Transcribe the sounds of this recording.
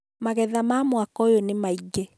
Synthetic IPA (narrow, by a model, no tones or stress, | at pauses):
maɣɛðamamwakɔjonemaiɡɛ